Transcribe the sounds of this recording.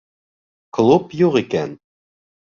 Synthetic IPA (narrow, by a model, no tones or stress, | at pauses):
klˠupjuʁikæn